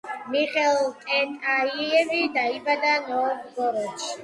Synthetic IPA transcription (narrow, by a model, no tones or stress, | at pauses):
miχɛlt̪ʼɛt̪ʼaiɛvid̪aibad̪anɔːbɡɔɾɔt͡ʃ